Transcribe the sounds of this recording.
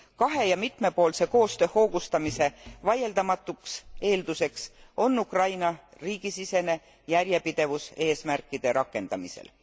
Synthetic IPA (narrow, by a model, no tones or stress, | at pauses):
kɑɦe̞jɑmit̪me̞po̞ːlse̞ko̞ːst̪ø̞ːho̞ːɡust̪ɑmise̞vɑje̞ld̪ɑmɑt̪ːˑukse̞ːld̪use̞kso̞nːukrɑjnɑriːɡ̥isise̞ne̞ | jæɾje̞pid̪̥e̞vuse̞ːsmærkːˑid̪̥e̞ɾʔɑkːˑe̞nd̪̥ɑ̰misḛl